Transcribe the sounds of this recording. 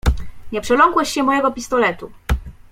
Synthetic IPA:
ɲɛpʂɛlɔŋkwɛɕːɛmɔjɛɡɔpʲist̪ɔlɛt̪u

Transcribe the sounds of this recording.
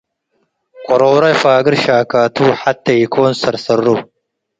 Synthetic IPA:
kʼɔɾowɾɐjfaːɡɨɾʃaːkaːtʰuːħatːɐjikʰoːnsɐɾsɐrːu

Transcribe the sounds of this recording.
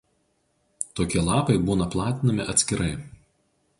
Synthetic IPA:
t̪oːkʲɛlˠɑːpɐɪbuːnɐplˠɑːt̪ʲɪnɐmʲɪʔɐt̪ʲsʲkʲɪɾɐɪ

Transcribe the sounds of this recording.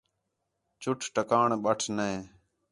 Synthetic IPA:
t͡ʃʊʈʰʈəkaːɳɓəʈʰnee

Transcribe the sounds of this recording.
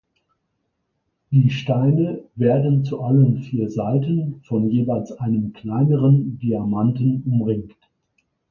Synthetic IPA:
d̥iːʃtaɪnəveːɐdn̩t͡suʔaləmfiːɐzaɪtən̩fɔnjeːvaɪlsʔaɪnəmkʰl̥aɪnəʁəndiamantn̩ʔʊmʁɪŋkt

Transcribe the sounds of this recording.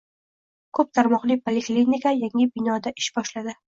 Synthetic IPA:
kʰɵp̚t̪ʰaɾmɒqlˠɪpʰolʲeklinikʰajaŋɪbɪnɒd̪aʔɪʃbɒʃlad̪ɪ

